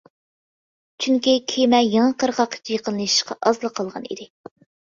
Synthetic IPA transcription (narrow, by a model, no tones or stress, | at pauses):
t͡ʃʰyŋkʲikʲʰemɛjeŋəqəɾʁɑqʰːt͡ʃʰjeqənːˠɨʃi̥ʃqɑ̰ʔɑzlˠəqʰːɑlˠʁɑnḭd̪ɪ